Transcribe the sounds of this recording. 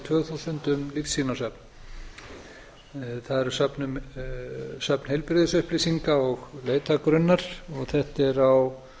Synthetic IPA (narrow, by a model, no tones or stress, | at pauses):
t̪ʰvœːɣθusʏnt̪ʏmlifsiːnasapn | θaðɛɾsapnʏm | sap̚n̥hejlpɾɪðɪsʏhplɪsiŋkaɔɣleːjt̪ʰakɾʏnːaɾ̥ɔɣθɛht̪ɛɾaw